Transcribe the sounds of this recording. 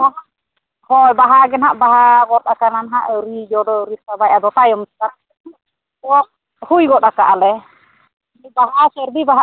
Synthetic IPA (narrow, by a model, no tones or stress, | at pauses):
baɦa | hɔjbaɦaɡɛnhaʔbaɦaɡɔɾt̪akananɦaʔɾid͡ʒɔɖɔɾisabajad̪ɔt̪ajɔmskaɾanɛu | tɔ | hujɡɔtakaʔalɛ | baɦaʔasɛɾd̪ibaɦa